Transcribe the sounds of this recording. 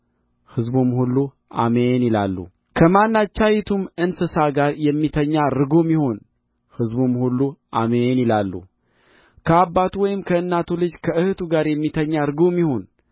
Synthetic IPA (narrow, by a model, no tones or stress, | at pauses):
hɨzbumhulːu | a̰menɪla̰lːṵ | kʰəmanːat͡ʃːajit̪ʰumɨnsɨsaɡaɾjɛmːit̪ʰəɲːaɾɨɡomjɪho̞n | hɨzbumhulːuʔamenɪlalːṵ | kʰəabːat̪uwɔjɪmkʰəɨnːat̪ʰulɨd͡ʒkʰəʔɨhɨt̪ʰuɡaɾjɛmːit̪ʰəɲːaɾɨɡomjɪho̞n